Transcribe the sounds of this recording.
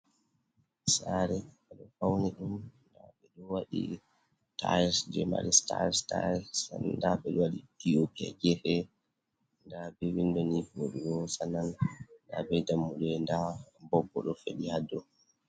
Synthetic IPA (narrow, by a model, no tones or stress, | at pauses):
saɾɛ | aɗɔfawnɛɗumnda̰ɓɛɗɔwaɗḭ | tʰajsd͡ʒɛ̰ma̰ɾista̰ɾsta̰sandaɓɛɗɔwaɗidiopia̰ɡɛfɛ | ndabɛwindɔnifoɗiɗɔsananndabɛdamːuɗɛndabɔbːɔ̰ɗɔfḛɗihadːɔ